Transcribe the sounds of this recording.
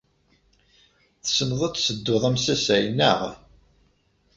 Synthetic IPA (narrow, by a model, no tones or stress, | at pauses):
θsənðˤət͡ssəd̪ːʊðˤæmsæsæjnəʁ